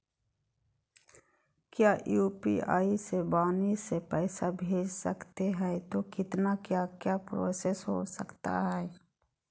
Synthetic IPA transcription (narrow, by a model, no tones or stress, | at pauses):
kjaːʔjuːpḭa̰ːisebaːnisepɛːsabʱeːd͡ʒsəkt̪eɦɛ̃ːt̪okɪt̪nakjaːkjaːpɾo̰ːsesɦo̰səkt̪a̰ɦɛː